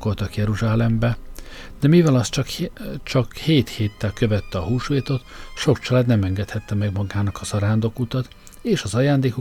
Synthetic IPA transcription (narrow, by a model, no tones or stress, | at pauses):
ko̞lt̪ɒkjɛɾuʒaːlɛmbɛ | d̪̥ɛmivɛlɒst̪t͡ʃɒkt͡ʃɒkheːt̪heːt̪ːɛlkø̞vɛt̪ːɛɒɦuːʃʋeːt̪o̞t̪ʃo̞kt͡ʃɒlaːd̪nɛmɛŋɡɛt̪hɛt̪ːɛmɛɡmɒɡaːnɒkɒzɒɾaːnd̪okut̪ɒt̪ | eːʃɒzɒjaːnd̪eːko